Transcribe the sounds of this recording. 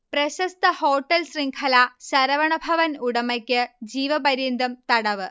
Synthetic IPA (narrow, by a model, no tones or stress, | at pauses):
prɐɕɐst̪ɐhoːʈːɐlsriŋkʰɐlaɕɐɾɐʋɐɳɐbʱɐʋɐnuɽɐmɐkʲːɨd͡ʑiːʋɐbɐɾind̪ɐmt̪ɐɽɐʋɨ